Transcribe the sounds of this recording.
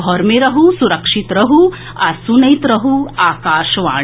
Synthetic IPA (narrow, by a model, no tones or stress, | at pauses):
ɔɾmeɾɐɦusuɾɐkʂit̪ɾɐɦu | ɐsunɐjt̪ɾɐɦuaːkaːʃɐʋa̰ː